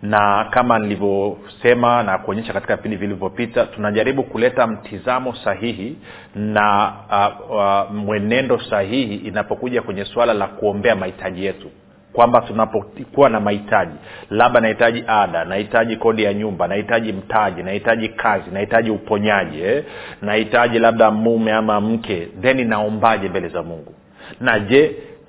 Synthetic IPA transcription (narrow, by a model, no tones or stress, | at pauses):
nakamanilivjɔ | sɛmanakuɔɲɛʃakatikavipindivilivjɔpitatunaʄaɾiɓukulɛtam̩tʰizamɔsaɦiɦi | na | mwɛnɛndɔsahihiʔːnapɔkuʄakwɛɲɛswalalakuɔmbɛamahitʰaʄijɛtu | kwambatunapɔkuwanamahitaʄilaɓanahitaʄiʔaɗanahitaʄikɔɗijaɲumbanahitaʄim̩taʄinahitaʄikʰazinahitaʄiupɔɲaʄiɛnahitaʄilaɓ̚ɗamumɛamam̩kʰɛndɛninaɔmbaʄɛmbɛlɛzamuŋɡu | naʄɛ